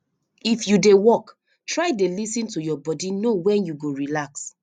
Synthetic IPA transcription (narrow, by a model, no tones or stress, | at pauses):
ifjudewɔk | tɹaɪdelisĩntujɔbɔdinowɛ̃njuɡoɹilaks